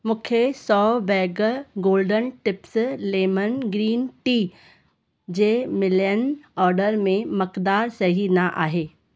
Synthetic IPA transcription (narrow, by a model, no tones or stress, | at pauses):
mʊkʰesɔːbɛːɡəɡoːlɖənʈɪpsleːmənɡɾiːnʈiː | d͡ʒeːmɪlenɔːɾɖəɾmẽmɐkd̪aːɾsɐɦinaʔa̰ːɦeː